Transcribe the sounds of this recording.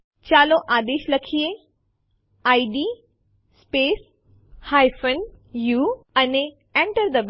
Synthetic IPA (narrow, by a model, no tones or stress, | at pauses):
t͡ɕaːloʔaːd̪eːʃlɐkʰie | aːiɖiː | speːs | haːɪfən | juːɐne | ẽɳʈəɾd̪ɐb